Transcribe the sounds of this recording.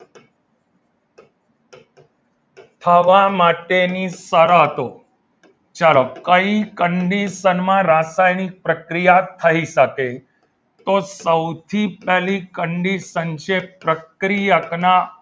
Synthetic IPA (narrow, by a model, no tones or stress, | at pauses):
t̪ʰəʋamaʈenisəɾaɦət̪o | t͡ʃəɾokəikəɳɖisənmãɾasajnik̚pɾəkɾijat̪ʰəiʃəke | t̪osəwt̪ʰipɛlikəɳɖisənʃepɾəkɾijəkna